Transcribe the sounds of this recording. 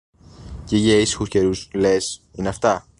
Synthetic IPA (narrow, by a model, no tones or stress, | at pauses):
ceiʝɐisi̥xusce̞ɾuslesineɐft̪ɐ